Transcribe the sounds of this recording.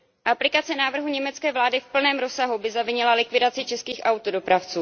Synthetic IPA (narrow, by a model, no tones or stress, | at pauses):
ʔaplɪkat͡sɛnaːvr̩ɦuɲɛmɛt͡skɛːvlaːdɪfpl̩nɛːmɾosaɦubɪzavɪɲɛlalɪkvɪdat͡sɪt͡ʃɛskiːxʔawt̪odo̞pɾaft͡suː